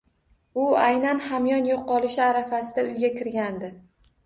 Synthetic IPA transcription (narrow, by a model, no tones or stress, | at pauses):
ʊajnanhamjɒnjoqːɒlˠɪʃɪaɾafasɪd̪aʊjɡʲakʲɪɾɡʲand̪ɪ